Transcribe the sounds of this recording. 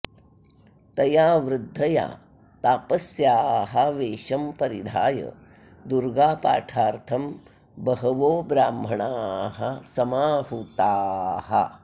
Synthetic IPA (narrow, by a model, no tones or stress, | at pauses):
t̪ɐjaːʋɾɪd̪ʱːɐja̰ː | t̪aːpɐsjaːɦɐʋeːʃɐmpɐɾid̪ʱa̰ːjɐ̰ | d̪uɾɡaːpa̰ːʈʰaːɾt̪ʰɐm | bɐɦɐʋoːbɾaːmbʱɐɳaːɦɐsɐmaːɦut̪aːhɐ̰